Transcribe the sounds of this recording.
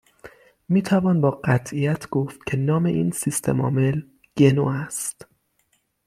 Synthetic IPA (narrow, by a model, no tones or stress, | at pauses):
miːt̪ʰævɒːnbɒːɢæt̪ʰʔijæt̪ʰɡ̥oft̪̚cʰe̞nɒːme̞ʔiːnsist̪ʰḛmɒ̰ːme̞l | ɟ̥e̞noːæst̪